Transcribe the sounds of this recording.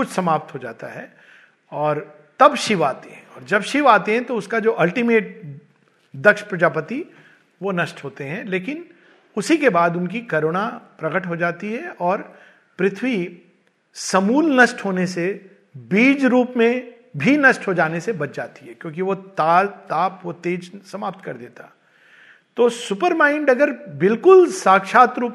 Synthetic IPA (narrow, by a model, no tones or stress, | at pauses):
kʊt͡ʃʰsɐmaːp̚t̪ɦod͡ʒa̰ːt̪a̰ɦɛː | ɔːɾ | t̪ɐbʃɪʋaːt̪eɦɛ̃ɔːɾd͡ʒɐbʃɪʋaːt̪eɦɛ̃t̪oʊskad͡ʒoːʔɐlʈimeːʈ̚ | d̪ɐkʃpɾɐd͡ʒaːpət̪i | ʋonɐʃʈɦoːt̪eɦɛ̃leːkɪn | ʊsikebaːd̪ʊnk̬ikɐɾoːɽ̃apɾɐɡəʈɦod͡ʒaːt̪iɦɛɔːɾ | pɾɪt̪ʰwi | sɐmuːlnɐsʈɦoːnese | biːd͡ʒɾuːpmẽ | bʱinɐsʈɦod͡ʒaːnesebɐt͡ʃd͡ʒaːt̪iɦɛkjõːk̬iʋot̪aːlt̪aːpʋot̪eːd͡ʒsɐmaːp̚t̪kɐɾd̪eːt̪aɦɛ | t̪oːsʊpəɾmaːɪɳɖɐɡəɾbɪlkʊlsaːkʃaːt̪ɾuːp